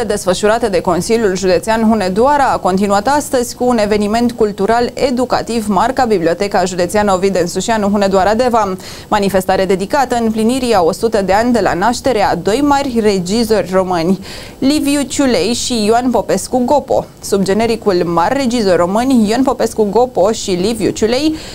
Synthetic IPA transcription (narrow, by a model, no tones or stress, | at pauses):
ed̪e̞sfəʃuɾat̪əd̪e̞ko̞nsilʲjulʒud̪e̞t̪sianɦune̞d̪uaɾaːko̞nt̪inuat̪ast̪əzʲkuːne̞ve̞nime̞nt̪kult̪uɾale̞d̪uka̰t̪ivmarkabiblio̞t̪e̞kaʒud̪et̪sianovid̪ensuʃianuɦune̞d̪uaɾad̪e̞va | manife̞st̪aɾead̪e̞d̪ikat̪əɨmpliniɾiao̞sut̪əd̪e̞anʲd̪e̞la̰naʃt̪e̞ɾe̞ad̪o̞jmarʲre̞d͡ʒizo̞rʲro̞mɨnʲ | livjut͡ʃulejʃijoanpo̞pe̞skuɡo̞po̞̰ | subd͡ʒe̞ne̞ɾikulmarʲːe̞d͡ʒizo̞rʲro̞mɨnʲjoanpo̞pe̞skuɡo̞po̞ʃilivjṵt͡ʃule̞j